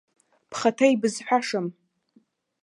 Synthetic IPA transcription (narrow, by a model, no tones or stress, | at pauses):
pʰχatʰajbɨzħʷᶣaʂam